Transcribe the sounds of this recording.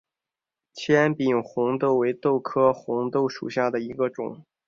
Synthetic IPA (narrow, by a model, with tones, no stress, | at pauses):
t͡ɕʰjɛ˥npi˨˩nxʊ˧˥ŋt̪o˥˩ʊwe˧˥ɪt̪o˥˩ʊkʰɤ˥xʊ˧˥ŋt̪o˥˩ʊʂṵ˨˩ɕja˥˩d̪ə˩i˧˥ɡə˧ʈ͡ʂʊ̰˨˩˦ŋ